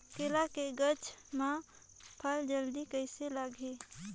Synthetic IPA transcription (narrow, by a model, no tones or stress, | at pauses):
keːlakeɡət͡ʃʰmã | pʰəld͡ʒəld̪ikəɪselaɡʱe